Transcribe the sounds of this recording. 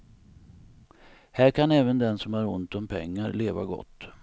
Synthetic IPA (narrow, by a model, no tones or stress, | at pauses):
hæːɾkʰanɛːvənd̪ɛnsɔmhaɾʊnt̪ɔmpʰɛŋːaɾleːva̰ɡɔ̰t̪ː